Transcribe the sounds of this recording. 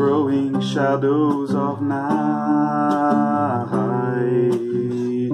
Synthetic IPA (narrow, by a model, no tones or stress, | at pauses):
oʊɪ̃ŋʃæɾoʊzʌvna | ha | ɪ